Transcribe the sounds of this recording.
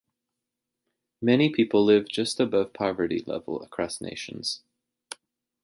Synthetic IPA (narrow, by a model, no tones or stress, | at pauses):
mɛnipʰipl̩ˠlɪvd͡ʒʌstɨbʌv̥pʰɑvə˞ɾḭlɛ̰vl̩ˠə̰kʰɹ̥ɑsnḛɪʃɨ̃nz̥